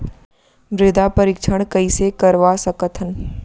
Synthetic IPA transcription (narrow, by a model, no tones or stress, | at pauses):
ɾeːd̪apəɾɪkʃʰəɽ̃kɐisekəɾʋasɐkət̪ʰən